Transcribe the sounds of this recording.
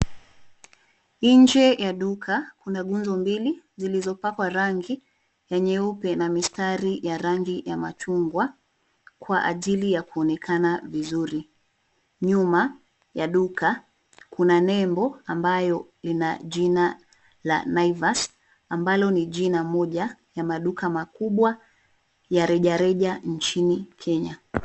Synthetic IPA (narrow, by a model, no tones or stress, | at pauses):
iɲd͡ʒɛjaɗukʰakunaɡund͡ʒɔmbili | zilizɔpakwaɾaŋɡi | jaɲɛupɛnamistaɾijaɾaŋɡijamat͡ʃuŋɡwa | kwaʔaʄilijakuɔnɛkʰanavizuɾi | ɲuma | jaɗukʰa | kunanɛmbɔambajɔlinaʄina | la̰naivas | ambalɔniʄinamɔʄajamaɗukamakuɓwa | jaɾɛʄaɾɛʄan̩t͡ʃinikʰɛɲa